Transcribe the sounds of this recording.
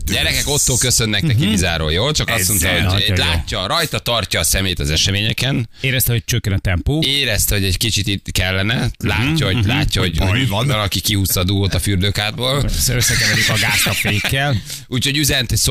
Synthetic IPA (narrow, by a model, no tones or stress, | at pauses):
ɟɛɾɛkɛko̞t̪ːoːlkø̞sø̞nːɛknɛkibizaːɾo̰jjoːlt͡ʃɒkɒst̪mo̞nt̪ɒhoɟlaːtːɒrɒjt̪ɒt̪ɒrcɒːsɛmeːjt̪ɒzɛʃɛmeːɲɛkɛneːɾɛst̪ɛɦo̞̥t͡ʃøkːɛnɒt̪ɛmpoːeːɾɛst̪ɛɦo̞ɟɛɟkit͡ʃit̪ikɛlːɛnɛlaːcːɒhola̰ːcːɒhoɟovɒnɒnɒkikihuːst̪ɒd̪uɡoːt̪ɒfyːrd̪øːkaːr̚boːlsøsːɛkɛvɛɾikɒɡaːst̪ɒpeːkːɛl | uːcʰhoɟyzɛnt̪eso